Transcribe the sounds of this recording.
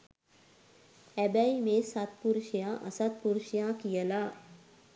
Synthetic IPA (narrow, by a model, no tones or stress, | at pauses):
æbɛimesat̪̚puɾuʃjaːʔɐsat̪̚puɾuʃjaːkijəlaː